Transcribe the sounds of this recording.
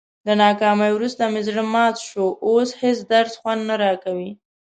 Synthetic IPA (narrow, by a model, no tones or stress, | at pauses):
d̪ənɑkɑmajwɾust̪amezɽəmɑt̪ʃoʔoshɪsd̪aɾzxwand̪naɾɑkawi